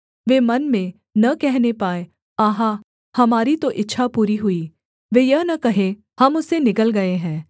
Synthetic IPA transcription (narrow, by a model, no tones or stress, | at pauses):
ʋeːmɐnmẽ | nɐkɛɦnepaːe | aːɦã | hɐmaːɾit̪oʔɪtːʃʰapuːɾiɦʊiː | ʋeːjɐɦnɐkɐɦẽ | hɐmʊsenɪkəlɡɐeɦɛ̃ː